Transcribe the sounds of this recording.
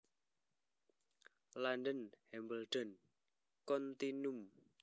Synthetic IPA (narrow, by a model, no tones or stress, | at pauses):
lanɖənhɛmbəlɖ̪̥ə̤n | kɔnt̪inum